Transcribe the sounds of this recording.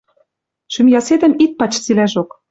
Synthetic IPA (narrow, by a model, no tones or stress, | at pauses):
ʃymjɑsed̪ɘ̆mit̪̚pɑt͡ɕt͡silæʃok